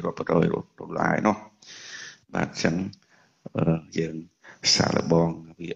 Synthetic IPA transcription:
ruəpːrɔːjrṵprulːaːjnʊəh | ɓaːn̚t͡ɕəŋ | ʔəːjəːŋsa̰ːlʔə̰ɓɑːŋʋi

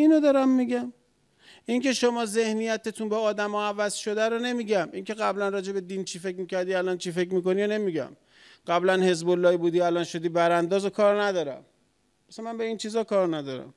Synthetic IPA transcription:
iːnod̪ɒːɾæmːiɟæm | ʔincʰe̞ʃomɒːze̞hnijæt̪et̪ʰunbeɒːd̪æmoævæzʃo̞d̪æɾone̞miːɟæmʔiŋkʰeɣæblænrɒːd͡ʒe̞be̞d̪iːnt͡ʃʰiːfe̞kmiːcʰæɾd̪iːælɒːnt͡ʃʰife̞cmiːko̞nijne̞miɟæ̰m | ɢæblænhe̞zbolːɒːibuːd̪iːælɒːnʃo̞d̪iːbæɾænd̪ɒːzokʰɒːɾnæd̪ɒːɾæ̰m | bæsæmænbe̞iːnt͡ʃʰiːzɒːkɒːɾnæd̪ɒːɾæ̰m

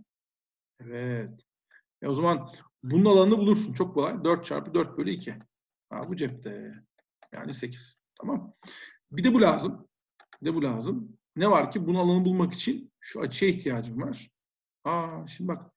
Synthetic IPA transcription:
evɛt̪ | jɛ̰o̞zaman | bununalˠanɯnabulˠuɾsunt͡ʃʰo̞k̚boajd̪øɾt̪̚t͡ʃʰa̰ɾpɯd̪øɾt̪̚bøjlʲɛicʰi | ha̰bud͡ʒɛp̚t̪ʰɛ | ja̰ːnise̞cʰi̥z̥t̪ʰamam | bid̪ɛbulʲaːzɯm | bid̪ɛbulʲaːzɯm | nɛvaɾcʰibununalˠanɯbulˠmaki̥t͡ʃʰinʃua̰t͡ʃʰɯjaiht̪ʰijaːd͡ʒɯmvaɾ̥ | haʃimd̪ibak

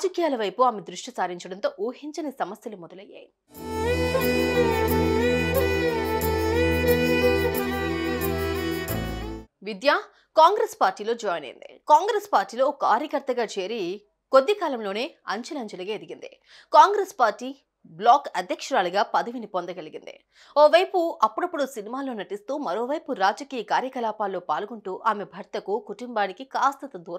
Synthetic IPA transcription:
d͡ʒɐkijaːlɐʋɐjpuaːmed̪ɾuʂʈisaːɾiɲt͡ʃɐɽɐnt̪oːʔuːhiɲt͡ʃɐnisɐmɐsjɐlumɔd̪ɐlɐjːa̰ːji | ʋid̪jaː | kaːŋɡɾeːspaːɾʈiːlo̞ːd͡ʒɔːjnɐ̰jḭnd̪ḭkaːŋɡɾeːspaːɾʈːiːlo̞ːkaːɾjɐkɐɾt̪ɐɡaːt͡ʃe̞ːɾi | ko̞d̪ːikaːlɐmlo̞ːne̞ːɐɲt͡ʃɐlɐmd͡ʒɐliɡeːd̪iɡind̪ḭ | kaːŋɡɾeːspaːɾʈːiː | blaːkɐd̪ʱjɐkʂɐɾaːluɡaːpɐd̪ɐʋinipond̪ɐɡɐliɡind̪ḭ | oːʋɐjpuʔɐpːuɽɐpːuɽusinimaːloːnɐʈist̪uːmɐɾo̞ːʋɐjpuɾaːd͡ʒɐkiːjɐkaːɾjɐkɐlaːpaːlːo̞ːpaːlɡuɳʈuːʔaːme̞bʱɐɾt̪ɐkukuʈumbaːnikikaːst̪ɐt̪ɐd̪uːɾɐ

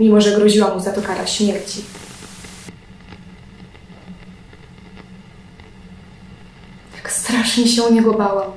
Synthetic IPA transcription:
mʲimɔʐɛɡɾɔʑiwamuzat̪ɔkaɾa̰ɕmʲjɛɾt͡ɕi | t̪ḁkst̪ɾaʂɲɛɕɛuɲɛɡɔbawam

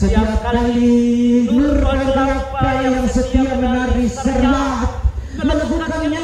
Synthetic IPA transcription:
sət̪iap̚kaliŋurpaiapajaŋsət̪iamənaɾisərat̪̚ | məŋəbukanɲa

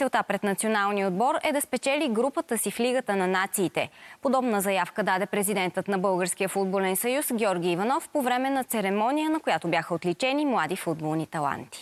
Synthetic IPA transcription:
t̪ɛlˠt̪apɾɛt̪nɐt̪sionalˠniod̪̚bɔɾɛd̪ɐspɛt͡ʃɛliɡɾupət̪əsifliɡət̪ənɐnat̪siːt̪ɛ̰pod̪ɔbnəzɐjafkəd̪ad̪ɛpɾɛzid̪ɛnt̪ət̪nɐbɤlˠɡəɾsk̟ijəfud̪̚bolɛnsɐjusɡʲɔɾɡʲiːvɐnɔfpovɾɛmɛnɐt̪sɛɾɛmɔnijənɐkojat̪objaxəot̪lit͡ʃɛnimlˠad̪ifud̪̚bolˠnit̪ɐlˠa̰nt̪i̥

